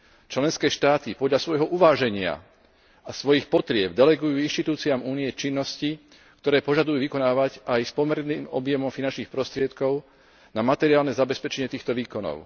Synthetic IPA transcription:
t͡ʃlɛnskɛːʃt̪aːt̪ipɔd̪ʎasʋɔjɦɔʔuʋaːʒɛɲɪa̰ | asʋɔjixpɔt̪ɾɪɛb̚d̪ɛlɛɡujuːinʃt̪it̪uːt͡siamuːniɛt͡ʃinːɔsci | kt̪ɔɾɛːpɔʒad̪ujuːʋikɔnaːʋaɟajspɔmɛɾniːmɔbjɛmɔmfinant͡ʃniːxpɾɔst̪ɾɪɛt̪kɔʊ | namat̪ɛɾiaːlnɛzabɛspɛt͡ʃɛɲɪɛt̪iːxt̪ɔʋiːkɔnɔ̰ʊ

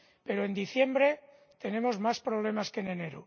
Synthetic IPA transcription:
pe̞ɾoe̞nd̪iθje̞mbɾe̞ | t̪e̞nẽ̞mo̞zmaspɾo̞β̞le̞maskene̞ne̞ɾṵ

